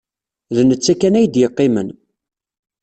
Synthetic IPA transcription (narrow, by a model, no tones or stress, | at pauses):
ðnət͡sːækːænæjd̪jəqːɪmən